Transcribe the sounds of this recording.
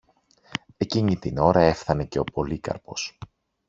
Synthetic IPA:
e̞ciɲit̪ino̞ɾɐe̞fθɐne̞ce̞o̞po̞likɐ̰ɾpo̞s

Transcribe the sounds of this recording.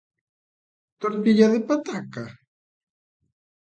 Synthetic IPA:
t̪oɾt̪iʎaðepat̪aka

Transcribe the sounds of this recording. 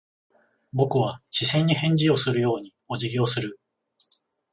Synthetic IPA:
bo̞kɯ̟βaɕisẽ̞ɲ̟ːihẽ̞ɲ̟d͡ʑio̞sɨɾɯ̟jo̞ːɲ̟i | o̞ʑiɡʲiosɨɾɯ̟

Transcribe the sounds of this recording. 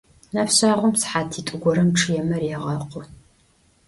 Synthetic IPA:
napɕaːʁʷʊmsħaːtʰiːtʼʊɡʷɔɾɐmʈ͡ʂʰʼɨjɛmɐrjɛʁɐqʷʊ

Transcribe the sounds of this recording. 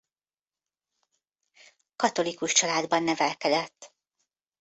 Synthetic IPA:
kɒt̪o̞likuʃt͡ʃɒlaːd̪bɒnːɛvɛlkɛd̪ɛt̪ː

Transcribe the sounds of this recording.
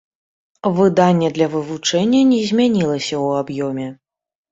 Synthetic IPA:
vɨd̪anʲːɛd̪lʲɐvɨvut͡ʂɛnʲːɐnʲɛzʲmʲanʲilˠɐsʲɐwabjɔmʲɛ

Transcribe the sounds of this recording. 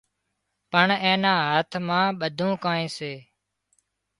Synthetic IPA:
pəɳẽːnãːɦət̪ʰmãːɓəd̪ʱũːkaːẽːseː

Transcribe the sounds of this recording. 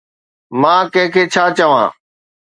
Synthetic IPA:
mãːkə̃ɦɪ̃kʰeːt͡ʃʰaːt͡ʃəʋã̰ː

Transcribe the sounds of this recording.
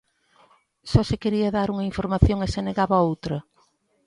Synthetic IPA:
sɔsekeɾiɐðaɾuŋɐĩɱfoɾmaθjoŋeseneɣaβɐowt̪ɾɐ

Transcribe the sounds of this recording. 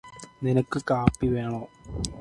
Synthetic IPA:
ninɐkːɨkaːpːiʋeːɳoː

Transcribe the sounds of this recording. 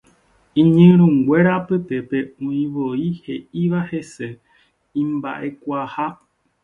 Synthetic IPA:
ĩɲɨ̃ɾũŋɡwʷe̞ɾapɨp̪e̞pe̞õĩʋoihe̞iʋahe̞se̞ | ĩmbaʔe̞kʷaha

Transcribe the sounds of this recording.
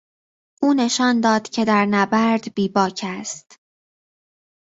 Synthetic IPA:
ʔuːne̞ʃɒːnd̪ɒːd̪̥cʰe̞d̪æɾnæbæɾd̪biːbɒːcʰæst̪

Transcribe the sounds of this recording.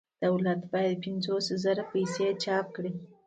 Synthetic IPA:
d̪̥awlat̪bɑjad̪pɪnzoszaɾapajset͡ʃɑp̚kɽi

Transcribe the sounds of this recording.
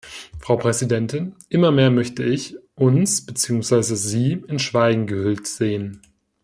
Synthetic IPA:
fʁ̥aʊpʁ̥ɛzidɛntɪnʔɪmɐmeːɐmœçtəɪçʔʊnsb̥ət͡siːʊŋsv̥aɪzəziːɪnʃv̥aɪɡŋ̩ɡəhʏltz̥eːən

